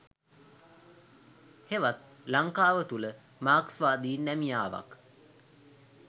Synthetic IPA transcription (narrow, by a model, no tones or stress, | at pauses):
heʋat̪̚ | laŋkaːʋət̪ulə | maːksʋaːd̪iːnːæmijaːʋa̰k